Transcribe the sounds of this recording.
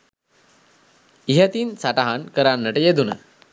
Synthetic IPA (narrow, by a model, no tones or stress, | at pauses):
iɦət̪iːnsaʈaɦankəɾanːəʈəjed̪unə